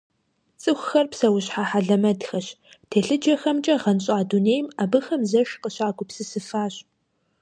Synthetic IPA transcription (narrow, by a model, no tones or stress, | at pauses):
t͡sʼɨxʷxɐrpsɐwʊɕħaːħaɮɐmɐdxɐɕ | tʰeːɬɨd͡ʒɐxɐmt͡ʃʼɐʁɐnɕʼaːduneːjmabɨxɐmzɐʂqəɕaːɡʷʊpsɨsɨfaːɕ